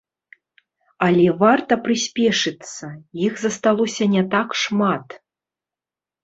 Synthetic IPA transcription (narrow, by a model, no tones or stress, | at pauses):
alʲɛvart̪ɐpɾɨsʲpʲɛʂɨt̪sːɐjixzɐst̪alˠɔsʲɐnʲɛt̪akʂmat̪